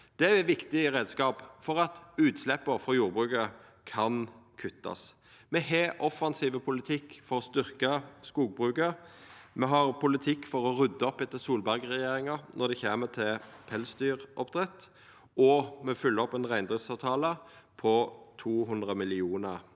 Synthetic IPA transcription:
d̪̥ɛɛʋɪkt̪ɪʁeːd̪skɑːpfɔʁɑt̪ʉːt̪slɛpːəfʁɑjuːʁbʁʉːkə | kʰɑnkʰʉt̪ːɑ̰s | mɛheːʔɔfːɑnsiːʋəpʰʊlɪt̪ʰɪkːfɔɾɔst̪ʏʁkəskuːɡ̚bʁʉːkəmɛɦɑʁpʰʊlɪt̪ʰɪkːfɔʁɔʁʉd̪ːəɔpɛt̪ːəsuːlbæʁɡʁɛjeːɾɪŋɑnʔɔʁd̪ɛçeːmət̪ʰɪlpʰɛlsd̪yːʁʔɔpd̪ʁɛt̪ː | ɔmɛfʏlːəɔpɛnʁæɪnd̪ʁɪfsɑːʋt̪ʰɑːləpʰɔt̪ʰuːɦʉnd̪ʁəmɪlɪuːnəʁ

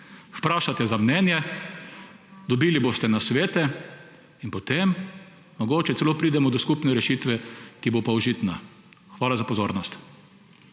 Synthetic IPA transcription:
wpɾaːʃat̪ɛzamnɛnjɛ | d̪ɔbiːliboːst̪ɛnasʋeːt̪ɛ | inpot̪emː | ɔɡoːt͡ʃɛt̪sɛloːpɾiːd̪ɛmɔd̪ɔskupnɛɾɛʃiːt̪ʋɛkibopawʒit̪na | xʋaːlazapɔzoːɾnɔst̪

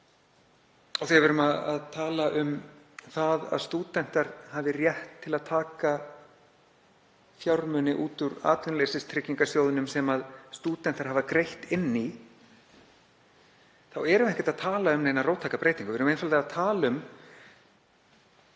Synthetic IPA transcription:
ɔθiavɛɾʏmaðaðt̪ʰaːlaʔʏm | θaða̰ðst̪uːt̪ɛn̥t̪aɾhavɪrjɛht̪ʰːɪlaðt̪ʰaːka | fjawɾmʏnɪʔuːt̪ʏɾa̰ːt̪ʏnalejsɪst̪ʰɾɪcːiŋkasjoːwðɪnʏmsɛmaðst̪uːt̪ɛn̥t̪aɾɦavakɾejht̪ɪnːi | θawɛɾʏmɛhcɛt̪aðt̪ʰaːlaʏmneːjnaɾroːwt̪ʰːaːkapɾeːjt̪iŋkʏvɛɾʏmejnfalaaðt̪ʰaːlʏm

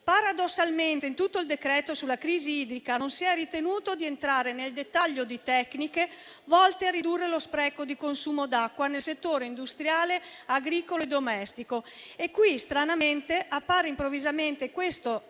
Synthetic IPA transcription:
paɾad̪osːalment̪eint̪ut̪ːoild̪ekɾɛːt̪osulakɾiːziiːd̪ɾikanonsiɛrit̪enuːt̪od̪ient̪ɾaːɾeneld̪et̪ːaʎːod̪it̪ɛknike | vɔlt̪earid̪urːelospɾɛːkod̪ikonsuːmod̪akːwanelset̪ːoːɾeind̪ust̪ɾjaːleaɡɾiːkoloed̪omɛst̪ikoekːwist̪ɾanament̪eʔapːaːɾeimpɾovizament̪ekwest̪o

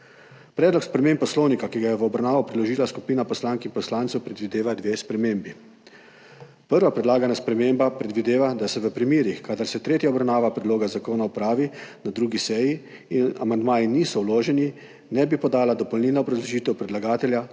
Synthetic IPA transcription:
pɾɛːd̪lɔkspɾɛmeːmpːɔsloːwnikakiɡajɛʋəɔbɾawnaːʋɔpɾilɔʒiːlasku̥piːnapɔslaːŋkinpɔslaːnt̪sɛwpɾɛd̪ʋid̪eːʋad̪ʋeːspɾɛmeːmbi | pəɾʋapɾɛd̪laːɡanaspɾɛmeːmbapɾɛd̪ʋid̪eːʋad̪asɛʋəpɾimiːɾixkaːd̪aɾsɛt̪ɾeːt̪jaɔbɾawnaːʋapɾɛd̪loːɡazakoːnaupɾaːʋinad̪ɾuːɡisɛjiː | na̰mand̪maːjiniːsɔwloːʒɛni | nɛbipɔd̪aːlad̪ɔpɔlnilaɔbɾazlɔʒiːt̪ɛwpɾɛd̪laɡaːt̪ɛlja

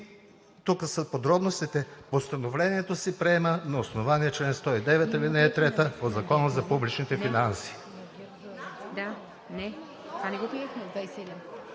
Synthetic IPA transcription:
t̪ukəsəpod̪ɾɔbnost̪it̪ɛpost̪ɐnovlɛniɛt̪osipɾɛɛmənɐosnovaniɛt͡ʃlɛnst̪ɔid̪ɛvɛt̪əlinɛːt̪ɾɛt̪əpod̪zɐkɔnəzɐpublit͡ʃnit̪ɛfinansi̥ | d̪a | nɛ | anɛɡopɾiɛxmɛd̪vajsɛɛd̪in

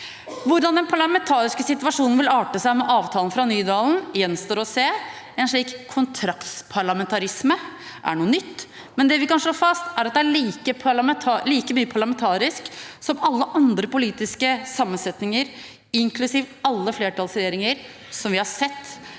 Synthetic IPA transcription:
ʋʊɾd̪ɑnd̪ɛnpʰɑɭɑmɛnt̪ʰɑːɾɪskəsɪt̪ʋɑʂuːnən̩ʋɪlɑːʈəsæɪmɛʔɑːʋt̪ʰɑːlən̩fɾɑnyːd̪ɑːln̩jɛnst̪oːɾɔseː | ɛnʂɭiːkʰːʊnt̪ʰɾɑkt̪spʰɑɭɑmɛnt̪ʰɑɾɪsmə | ʔæ̰ɳuːənʏt̪ː | mɛnd̪ɛʋɪkɑnʂɭoːfɑst̪æɾɑt̪̚d̪ɛæɭiːkəpʰɑmɛt̪ʰɑːliːkəmyːəpʰɑɭɑmɛnt̪ʰɑːɾɪsksɔmɑlːəʔɑnd̪ɾəpʊliːt̪ɪskəsɑmːənsɛt̪nɪŋəɾ | ɪŋkʰlʉsiːʋɑlːəfleːʈʰɑlsɾɛjeːɾɪŋəɾ | sɔmʋɪhɑɾsɛt̪ː

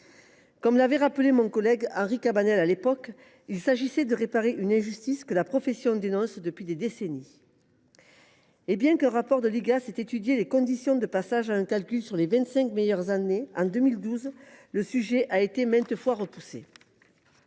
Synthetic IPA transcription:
kɔmlavɛʁapəlemɔ̃kɔlɛɡɑ̃ʁikabanɛlalepɔk | ilsaʒisɛd̪əʁepaʁeʔynɛ̃ʒyst̪iskəlapχɔfɛsjɔ̃d̪enɔ̃sd̪əpɥid̪ed̪eseni | ebjɛ̃kɛ̃ʁapɔʁd̪əliɡasɛt̪et̪yd̪jelekɔ̃d̪isjɔ̃d̪əpasaʒaɛ̃kalkʲylsyʁlevɛ̃nt̪sɛ̃kmejœʁzaneɑ̃d̪ømild̪uzləsyʒɛʔaet̪emɛ̃nt̪əfwaʁəpusḛ

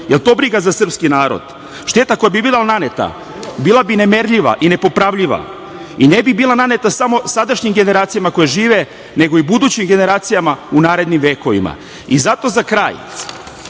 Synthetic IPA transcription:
jelt̪o̞ːbɾiɡazasr̩pskinaːɾo̰d̪̥ | ʃt̪e̞ːt̪ako̞jabibilˠananet̪a̰ | biːlˠabine̞meɾʎiʋa̰ʔine̞po̞pɾaʋʎiʋa̰ | inebibiːlˠanane̞t̪asamo̞sad̪aʃɲimɡe̞ne̞ɾaːt̪sijamako̞jeʒiːʋe | ne̞ɡo̞ibud̪uːt͡ɕimɡe̞neɾaːt̪sijamaunaːɾe̞d̪nimʋe̞ːko̞ʋḭma̰ | izat̪o̞zakɾaːj

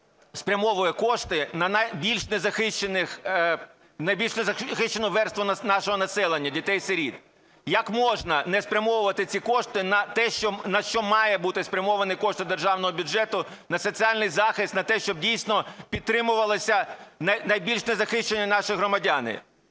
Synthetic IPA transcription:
spɾʲɐmɔʋʊjɛkɔʃt̪ɪnɐnɐjbʲilʲʃnɛzɐxɪʃt͡ʃenɪx | nɐjbʲilʲʃnɛzɐxɪʃt͡ʃːenɔʋɛrst̪ʋʊnɐnɑʃɔɦɔnɐsɛlˠenʲːɐdʲit̪ɛjseɾʲid̪̚ | jɐkmɔʒnɐnɛspɾʲɐmɔʋʊʋɐt̪ɪt͡sʲikɔʃt̪ɪnɐt̪ɛʃt͡ʃɔnɐʃt͡ʃɔmɑjɛbut̪ɪspɾʲɐmɔʋɐnɪkɔʃt̪ɪd̪erʒɑwnɔɦɔbʲʊd͡ʒʒɛt̪ʊ | nɐsɔt͡sʲiɑlʲnɪjzɑxɪst̪nɐt̪ɛʃt͡ʃɔb̚dʲijsʲnɔpʲid̪t̪ɾɪmʊʋɐlˠɪsʲɐnɐnɐjbʲilʲʃnɛzɐxɪʃt͡ʃenʲːɐnɑʃɪjɦɾɔmɐdʲanɪ̰

